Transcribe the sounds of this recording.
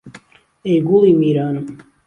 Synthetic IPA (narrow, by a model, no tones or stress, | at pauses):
eɡulimiːɾaːnu